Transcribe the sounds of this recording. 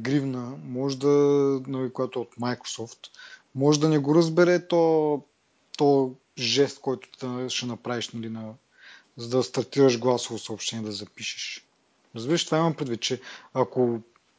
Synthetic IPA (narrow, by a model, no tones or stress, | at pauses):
ɡɾivnəmɔʒɛd̪ɐnɐlikʊjat̪ʊɛot̪majkɾo̥sɔft̪mɔʒɛd̪ɐnɛɡoɾəzbɛɾɛt̪ɔ | t̪ɔə | ʒɛst̪̚kɔjt̪ʊ̥t̪d̪ɐʃɛnɐpɾaviʃnɐlinɐ | zɐd̪ɐst̪ɐɾt̪iɾəʒɡlˠasovosɐopʃt̪ɛniɛd̪ɐzɐpiʃɛ̥ʃ | ɾɐzbiɾəʃt̪vaimɐmpɾɛd̪vit̪̚t͡ʃɛɐko